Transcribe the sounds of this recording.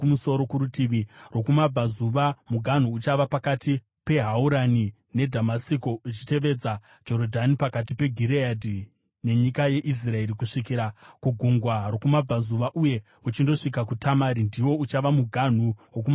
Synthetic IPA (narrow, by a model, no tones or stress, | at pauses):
muso̞ɾo̞kuɾutiʋiro̞kumab͡vazuʋamuɡʱan̤uːt͡ʃaʋapakati | pe̞ɦauɾani | ne̞dʱamasikoit͡ʃite̞ʋe̞d͡za | d͡ʒo̞ɾodʱanipakatipe̞ɡʱiɾeadʱi | ne̞ɲikaje̞ʔis̬rae̞ɾikuʂikiɾakuɡʱuŋɡwaro̞kumab͡vazuʋaʔuje̞ | ut͡ʃindo̞ʂikakutʰamaɾindiwo̞ut͡ʃaʋamuɡʱan̤uwok̬uma